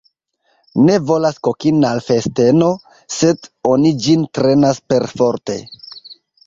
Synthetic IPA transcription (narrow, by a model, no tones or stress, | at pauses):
ne̞vo̞laskokinalfe̞ste̞no̞ | se̞do̞nid͡ʒintɾe̞naspe̞ɾfoɾte̞̰